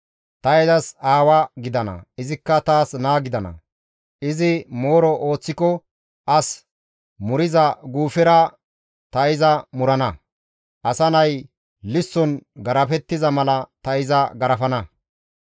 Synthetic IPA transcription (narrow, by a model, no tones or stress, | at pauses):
t̪ɐɛzɐsaːwɐɡɪd̪ɐnɐ̰ɪzɪkːɐt̪aːsnaːɡɪd̪ɐnɐ̰ | ɪzɪmoːɾɔʔo̞ːt͡sːɪkɔ | ʔɐs | mʊɾɪzɐɡuːfɛɾɐ | t̪ɐɪzɐmʊɾɐnɐ | ʔɐsɐnɐj | lɪsːɔnɡɐɾɐfɛt̪ːɪzɐmɐlɐt̪ɐɪzɐɡɐɾɐfɐnɐ